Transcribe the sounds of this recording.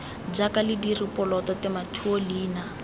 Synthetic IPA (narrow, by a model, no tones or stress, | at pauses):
d͡ʒakalɪdiripɔlɔtɔtɛmatʰuoliːna